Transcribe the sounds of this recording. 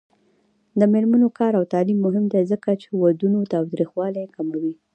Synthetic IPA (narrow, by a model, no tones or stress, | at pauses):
d̪əmeɾmanokɑɾawt̪ɑlimːʊɦɪmd̪ezəkat͡ʃewad̪unot̪ɑwt̪ɾixwɑlajkamawi